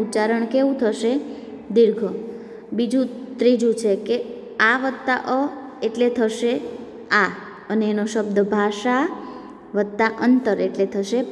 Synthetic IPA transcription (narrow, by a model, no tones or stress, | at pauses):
ut͡ʃaɾəɳkeʋũt̪ʰəʃe | d̪iɾɡʱə | bid͡ʒũt̪ɾid͡ʒũt͡ʃʰeke | aʋət̪ːaʔəeʈlet̪ʰəʃe | a | əneːnoʃəb̚d̪əbʱaʃa | ʋət̪ːaʔənt̪əɾeʈlet̪ʰəʃe